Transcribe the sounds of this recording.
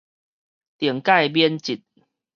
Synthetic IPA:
t̪jə˨˩əŋka˥˧ɪjbjɛ˦nt͡ɕi˨˩t̪̚

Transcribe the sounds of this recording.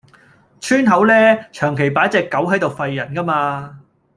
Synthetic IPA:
t͡ʃʰyː˥nɦɐ˨˥wlɛː˥t͡ʃʰœː˨˩ŋkʰe˨˩jpaː˨˥t͡sɛː˧kːɐ˨˥wɦɐ˨˥jt̪o˨wfɐ˧jːɐ˨˩nkɐ˥maː˧

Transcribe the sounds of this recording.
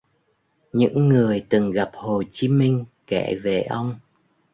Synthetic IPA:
ɲɨ̰˧˥ŋːɨ˨˩əjt̪ɨ˨˩ŋɣa˨˩p̚ho˨˩t͡ɕi˨˦mï˧ŋ̟ | kɛ̰˧˩˨ve˨˩ʔə˧wŋ͡m

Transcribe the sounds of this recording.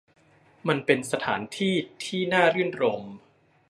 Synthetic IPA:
ma˧npe˧nsa˧t̪ʰa̰ː˩˦nt̪ʰiː˥˩t̪ʰiː˥˩naː˥˩ɾɯ˥˩nɾo˧m

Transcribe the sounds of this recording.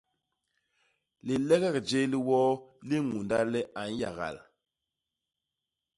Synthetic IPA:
li˨lɛ˦ɣɛ˦˨kd͡ʒe˦li˦wɔ˦li˦ŋu˨nda˦lɛ˦ʔa˨n˦ja̰˨ɣa̰˨l

